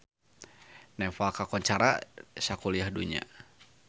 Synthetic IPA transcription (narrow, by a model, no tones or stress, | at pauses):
nɛfalkakɔɲt͡ʃaɾa̰sakuliahduɲa̰